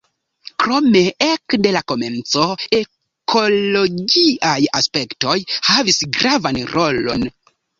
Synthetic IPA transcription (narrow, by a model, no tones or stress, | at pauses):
kɾo̞me̞ekde̞lako̞me̞nt͡soe̞ | kʰo̞loɡiʔajaspe̞kto̞jhavisɡɾavanɾo̞lo̞̰n